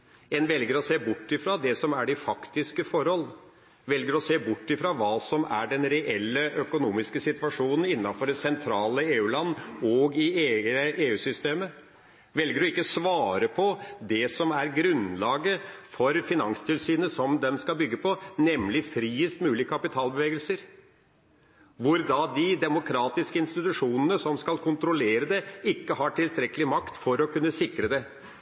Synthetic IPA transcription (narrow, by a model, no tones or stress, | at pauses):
ɛnʋɛlɡəɾɔseːbʊʈːɪfɾɑːd̪ɛsɔmæɖɛfɑkt̪ɪskəfɔɾhɔlː | ʋɛlɡəɾɔseːbʊʈːɪfɾɑːʋɑːsɔmæɖɛnɾɛʔɛlːəʔœkʊnuːmɪskəsɪt̪ʋɑʂuːnən̩ɪnːɑfɔɖɛsɛnt̪ʰɾɑːləeːʉːlɑnːɔɡɪeəʔeːʉːsʏst̪eːmə | ʋɛlɡəɖɔɪkːəsʋɑːɾəpʰɔd̪ɛsɔmæɾɡɾʉnlɑːɡəfɔɾfɪnɑŋst̪ʰɪlsyːnəsɔmd̪ɛmskɑlbʏɡːəpʰɔnɛmlɪfɾiːəst̪mʉːlɪəkʰɑpɪt̪ʰɑːlbəʋeːɡəlsəɾ | ʋʊɾd̪ɑd̪ɪd̪ɛmʊkʰɾɑːt̪ɪskəɪnst̪ɪt̪ʉʂuːnənəsɔmskɑlkʰʊnt̪ɾʊleːɾəd̪ɛɪkːəhɑʈʰɪlt̪ʰɾɛkːəlɪmɑkt̪fɔɾɔkʉnːəsɪkɾəd̪ɛ